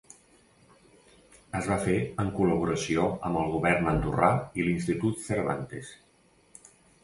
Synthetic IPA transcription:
əzβafeəŋkuləβ̞uɾəsioəmbəlˠɣuβɛɾnənd̪urailinst̪it̪ut̪səɾβa̰nt̪ḛs

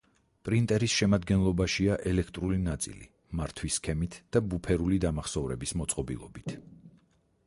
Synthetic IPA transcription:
pʼɾint̪ʼɛɾisʃɛmad̪ɡɛnlˠɔbaʃiaʔɛlɛkʰt̪ʼɾulinat̪sʼḭlḭ | maɾt̪ʰwiskʰɛmit̪ʰd̪̥abupʰɛɾulid̪amaχsɔvɾɛbismɔt̪sʼqʼɔbḭlˠɔ̰bit̪ʰ

